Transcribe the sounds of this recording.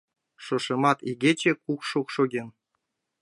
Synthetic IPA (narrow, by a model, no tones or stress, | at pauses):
ʃoʃɤ̆mɑt̪iɡʲet͡ɕekukʃokʃoɡʲen